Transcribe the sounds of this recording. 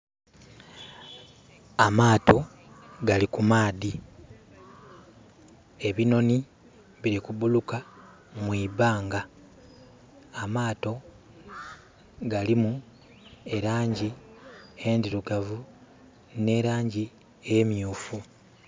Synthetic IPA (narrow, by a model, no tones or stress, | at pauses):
amaːto̞ | ɡalikumaːði | e̞βino̞ni | βiɾikubuluka | mwiːbaːŋɡa | amaːto̞ | ɡalimu | eɾaːɲɟi | endiɾuɡavu | ne̞ɾaːɲɟi | e̞mjuːfu